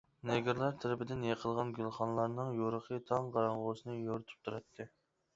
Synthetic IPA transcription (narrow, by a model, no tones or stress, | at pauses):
neɡʲiɾlˠɑɾt̪ʰɪɾɪpʰɪd̪ɪnjeqʰəlˠʁɑnɡʲylˠχɑnlˠɑɾnɨŋjoɾəqʰət̪ʰɑŋqɑɾɑɴʁosɨnɨjoɾɨt̪ʰu̥p̚t̪ʰuɾɑt̪ʰːɨ